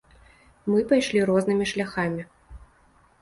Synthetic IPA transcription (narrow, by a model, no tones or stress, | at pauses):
mɨpajʂlʲiɾɔznɨmʲiʂlʲaxamʲi